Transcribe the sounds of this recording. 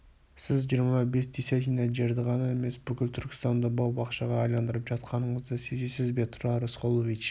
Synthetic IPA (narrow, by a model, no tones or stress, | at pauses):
sɪzʒijəɾmɑbe̞sd̪esʲat̪ijnɑʒe̞ɾd̪ɪʁɑnɑe̞me̞sbʏkʲɪlʲt̪ʰʏɾkʲɪ̥st̪ɑnd̪əbɑwbɑqʃɑʁɑːjlˠɑnd̪əɾəpʒɑt̪̚qɑnəɴəzd̪əsezesɪzbe̞t̪ʰʊɾɑɾəsqolˠovit͡ʃ